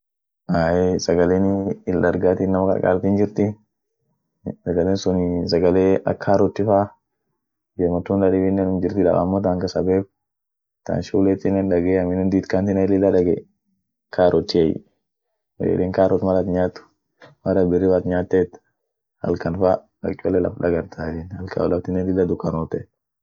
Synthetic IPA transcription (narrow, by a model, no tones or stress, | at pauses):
ʔaːjesɐɡɐleːnɪlːɐɾɡaːt̪iːnːɐmɐkʼɐ̰ɾ̰kʼa̰ːlt̪iːnd͡ʒɪɾt̪ɪ | sɐɡɐleːnsʊnɪs̬ɐɡɐleːɐ̰kʰːaːɾɔt̪ːɪfaː | d͡ʒemɔt̪ːunlɐᶑɪbɪnːenʊmd͡ʒɪɾt̪ɪᶑɐ̰ʔa̰mːɔt̪aːŋkɐsɐbeːk̚ | t̪ɐ̰nʃuːlɛt̪ːɪnːɛnᶑɐɡeːɐmɪnːɛnd̪iːt̪kant̪ɪnɛlɪlːɐᶑɐɡe | kaːɾʔɔt̪ːɪɛj̰ | w̰jɛ̰leːŋkaːɾʔɔt̪mɐɾɐt̪ɲaːt̪ːʊ̥ | mɐɾɐbɪrːɪfat̪ɲaːt̪ːeːt̪ | hɐ̰lkɐnfa | ɐ̰kʼɔlːɛlɐ̰fᶑɐɡɐɾt̪ʰaɪnhɐlkɐ̰ɔlɐft̪ɪnɛlɪlːɐd̪ʊkːɐnɔːt̪ɛ